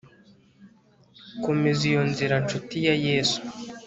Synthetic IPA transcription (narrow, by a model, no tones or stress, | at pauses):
komezijonziɾant͡ʃutijajeːsu̥